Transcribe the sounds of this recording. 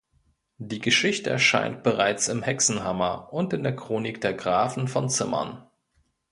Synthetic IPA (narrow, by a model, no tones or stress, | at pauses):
d̥iːɡəʃɪçtəʔɛ̰ɐʃa̰ɪnt̚b̥əʁ̞aɪt͡sɪmhɛksn̩ɦamɐʔʊntɪndeːɐkʁ̥oːnɪkd̥eːɐɡʁaːfn̩fɔnt͡sɪmɐ̰n